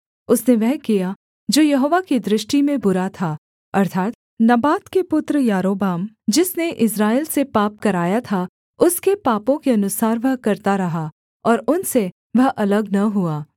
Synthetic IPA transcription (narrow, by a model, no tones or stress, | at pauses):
ʊsneʋɐɦkija | d͡ʒoːjɐɦoːʋakid̪ɾɪʃʈimẽbʊɾat̪ʰaː | ɐɾt̪ʰaːt̪ | nɐbaːt̪kepʊt̪ɾəjaːɾoːbaːm | d͡ʒɪsneʔɪs̬ɾaːiːlsepaːp̚kɐɾaːjat̪ʰa | ʊskepaːpõkeɐnʊsaːɾʋɐɦkɐɾt̪aɾɐɦa | ɔːɾʊnse | ʋɐɦʔɐləɡnɐɦuaː